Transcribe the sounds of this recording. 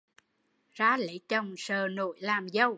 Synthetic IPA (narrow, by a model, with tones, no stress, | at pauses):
zaː˨˦lḛ˧˨˦t͡ɕə˨˩wŋ͡msəː˨˩no̰˧˨jlaː˨˩mzə˧˩w